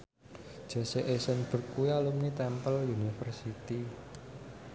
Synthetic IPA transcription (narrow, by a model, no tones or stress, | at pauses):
ʒ̥ɔseʔesənb̥ə̤rkujalumnit̪ɛmpəljunifərsit̪i